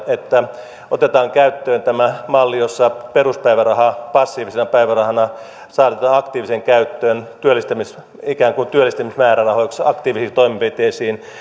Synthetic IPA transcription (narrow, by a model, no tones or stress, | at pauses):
et̪ːæ | ot̪et̪ɑːŋkæyt̪ːøːnt̪æmæmɑlːijosːɑperuspæiʋærɑhɑpɑsːiːʋisenɑpæiʋærɑhɑnɑ | sɑːt̪et̪ɑːnɑkt̪iːʋiseŋkæyt̪ːøːnt̪yølːist̪æmis | ikæːŋkunt̪yølːˑist̪æmismæːɾærɑhoiksɑkt̪iːʋisist̪oimimpit̪eisiːn